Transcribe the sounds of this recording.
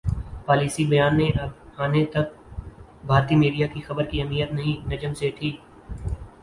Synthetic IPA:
paːliːsibɐjaːnːeʔɐbaːnet̪ɐk̚ | bʱaːɾt̪iːmiːɖijakixɐbəɾkiɦɐmiːjət̪nɐɦĩnɐd͡ʒəmseʈʰiː

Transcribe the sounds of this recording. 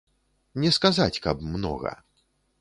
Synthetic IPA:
nʲɛskazat͡sʲkɐ̰p̚mnɔ̰ɣɐ̰

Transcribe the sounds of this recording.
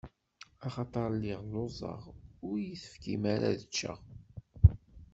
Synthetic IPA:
ɑχɑt̪ˤɑɾˤlːɪʁlozˤɑ̰ʁʊɾjiθə̥fkimaɾa̰ðət͡ʃːə̰ʁ

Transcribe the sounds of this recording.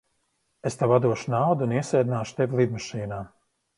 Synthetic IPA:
est̪avad̪uɔʃunawd̪uuniɛsɛjd̪inaːʃu̥t̪evʲilˠid̪maʃiːnaː

